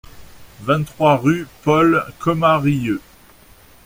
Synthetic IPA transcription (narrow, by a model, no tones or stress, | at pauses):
vɛ̃t̪χwaʁypɔlkʰɔmaʁijø